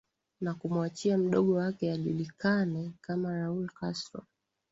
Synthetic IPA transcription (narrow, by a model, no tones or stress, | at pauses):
nakumwat͡ʃiam̩ɗɔɠɔwakɛaʄulikanɛkamaɾaulkastɾɔ̰